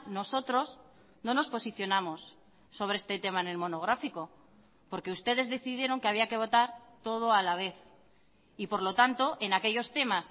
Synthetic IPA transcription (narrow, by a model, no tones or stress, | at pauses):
no̞so̞t̪ɾo̞z | nõ̞no̞spo̞siθjo̞namo̞sː | o̞β̞ɾeest̪e̞t̪e̞maene̞lmo̞no̞ɣ̞ɾafiko̞ | po̞ɾke̞ust̪e̞ð̞e̞zðe̞θiðje̞ɾo̞ŋkeaβiake̞β̞o̞t̪aɾt̪o̞ð̞o̞alaβ̞e̞θ | ipo̞ɾlo̞t̪ant̪o̞ʔe̞nake̞ʝo̞st̪e̞mas